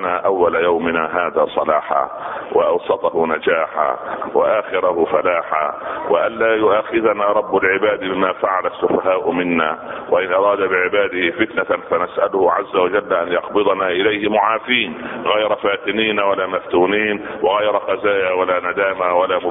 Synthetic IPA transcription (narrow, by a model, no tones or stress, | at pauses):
naːʔawːalajawmɪnaːɦaːðaːsˤɑlaːħa̰ | wʔɪ̰ʔɑwsˤɑt̪ˤɑhʊnad͡ʒaːħa̰wa̰ʔaːxɪɾahʊfalaːħa̰wɪ̰ʔanlaːjʊʔaːxɪðanaːɾˤɑbːalʕɪbaːd̪bɪmaːfaʕalasːʊfaɦaːʔʊmɪnːa̰ːwaʔɪnʔɑɾˤɑːd̪abɪʕɪbaːd̪ɪhɪfɪt̪nafanasʔalʊhʊʕazːawad͡ʒalːʔanjɑqbɨd̪ˤɑnaʔɪlajhɪmʊʕaːfiːnɣɑjɾˤɑfaːt̪ɪniːnawalaːmaft̪uːniːnwɪɣɑjɾˤɑqɑzaːjaːwalaːnad̪aːmawalaː